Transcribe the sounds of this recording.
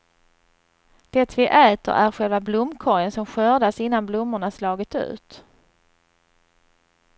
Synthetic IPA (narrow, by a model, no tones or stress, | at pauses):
d̪̥ɛt̪vɪʔɛːt̪ə̰ɾʔæɾɧɛlvablʊmːkʰɔjənsɔmɧøːɖ̪asɪnːanblʊmːʊɳaslɑːɡɪt̪ʉ̟̰ːt̪